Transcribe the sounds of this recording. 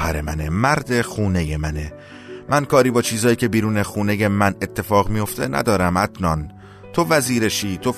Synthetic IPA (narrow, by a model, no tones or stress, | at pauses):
hæɾḛmænemæɾd̪e̞xuːneje̞mæne̞ | mʔænkʰɒːɾiːbɒːt͡ʃʰiːzɒːjiːcʲʰe̞biːɾuːnexuːne̞je̞mæne̞t̪ʰːe̞fɒːɣmijo̞ft̪e̞næ̰d̪ɒːɾæmæd̪nɒn | t̪ʰo̞væziːɾe̞ʃiːt̪ʰo̞